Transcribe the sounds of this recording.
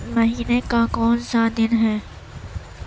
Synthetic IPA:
mɐɦiːnekakɔːnsad̪ɪnɦɛː

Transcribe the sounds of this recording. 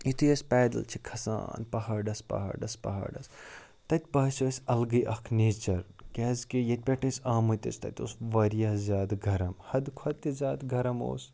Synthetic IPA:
it̪ʰujɐsʲpɛːd̪ɐ̰lt͡ʃʰikʰɐsa̰ːnpɐɦaɾɖɐspɐ̰ɦa̰ɾɖɐspɐ̰ɦa̰ːɖɐs | t̪ɐt̪ʲbaːsoɐsʲɐlɡɨjʔɐkʰneːt͡ʃɐɾkʲɛːzkijɐt̪̚ʲpʲeʈɐ̃nsʲaːmut̪ʲɐ̰sʲt̪ɐ̰t̪ʲo̰sʋɐɾjaːzʲaːd̪ɡʱɐɾɐmhɐd̪kʰɐt̪ʲizʲaːd̪ɡʱɐɾɐmo̰ːs

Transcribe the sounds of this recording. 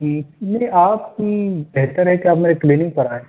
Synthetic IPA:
inɐɦĩʔaːpkibeɦt̪əɾɦɛkiaːpmeːɾekliːnɪ̃ŋɡ̚pɐɾaːẽ

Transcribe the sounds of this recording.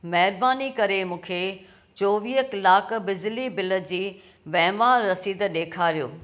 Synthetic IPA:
mɛɦɪɾbaːnikɐɾemũːkʰe | t͡ɕoːʋiːɦəklaːkʰbɪzlibɪlə̆d͡ʑiː | ʋɛːmaːɾːɐsiːd̪ɗeːkʰaːɾijoː

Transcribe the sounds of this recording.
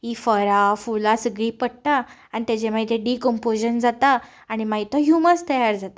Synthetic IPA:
ɦifəɾafulasəɡɭiːpəɽ̚ʈ̪a | anit̪jat͡ɕemait̪ʰeɖikɔmpod͡ʑənd͡zat̪aː | ɽ̃imait̪ɔɦjuməst̪əjaɾd͡zat̪a

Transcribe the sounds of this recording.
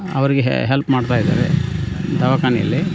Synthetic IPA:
ɐ̰ʋɐɾiɡḛɦelpmaːɖt̪aːjid̪a̰ːɾḛd̪ɐʋakaːnijɐ̰lːi

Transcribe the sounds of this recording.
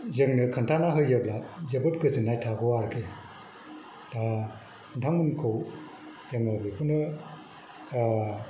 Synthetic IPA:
zɯŋnɯkʰɯntʰanaɦɯjːablazebɯt̚kɯzɯnajtʰaɡɔwaɾkʰe | ta | kʰɯntʰaŋmɯnkʰɯw | zɯŋɯblikʰɯwnɯ

